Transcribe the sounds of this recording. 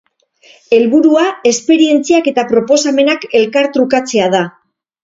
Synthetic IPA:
e̞lβuɾuae̞spe̞ɾie̞nt͡siake̞t̪apɾo̞po̞same̞nake̞lkaɾt̪ɾukat͡se̞að̞a

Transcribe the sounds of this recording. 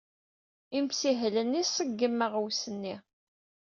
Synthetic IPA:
imsiɦlənːisəɡːəmːəʁəwsənːi

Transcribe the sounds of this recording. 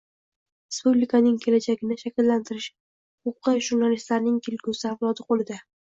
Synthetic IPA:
ɾespublikʰanɪŋkʲʰe̞lad͡ʒaɡʲɪnɪʃakʲɪlːant̪ʰɪɾɪʃ | ʊqʰɑjʒʊɾnalist̪laɾnɪŋt̪ʰelɡʲusɪavlˠɒd̪ɪqʰolˠɪd̪ɪ

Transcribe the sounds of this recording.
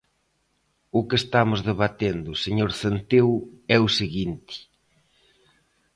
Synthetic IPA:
ʊkest̪amʊzðeβat̪end̪ʊseɲoɾθent̪ewɛʊseɣint̪ɪ̥

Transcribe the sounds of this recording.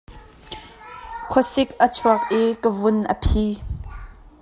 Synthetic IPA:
kʰɔsɪkʔət͡sʰuɐk̚ʔikəvʊnʔə̰pʰiː

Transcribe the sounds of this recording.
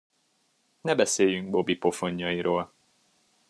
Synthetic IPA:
nɛbɛseːjyŋɡ̚bo̞bipo̞fo̞ɲːɒjiɾoːl

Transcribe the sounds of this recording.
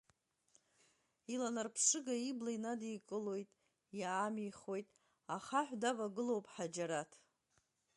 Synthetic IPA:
ilanarpʰʂɨɡaiblajnadijkʼɨlo̞jtʼ | jaːmiχwo̞jtʼ | aχaħᶣʷdavaɡɨlo̞wpʼħad͡ʒaɾatʰ

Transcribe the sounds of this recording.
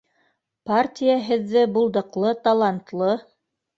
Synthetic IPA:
partʲijaɦɘ̆ðːɘbulˠd̪ɤ̆qlˠɤt̪ɑlˠɑnt̪lˠɤ

